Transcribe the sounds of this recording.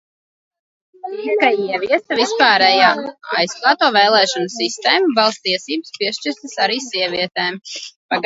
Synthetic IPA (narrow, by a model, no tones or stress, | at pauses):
ikaiɛviɛst̪avispaːɾɛjaːa̰jsplˠaːt̪uɔvɛːlˠɛːʃɔnɨsːist̪ɛːmuvalˠst̪iɛsiːbəspʲiɛʃt͡ʃiɾst̪ɨsaɾiːsiɛvʲiɛt̪ɛːmpaɡ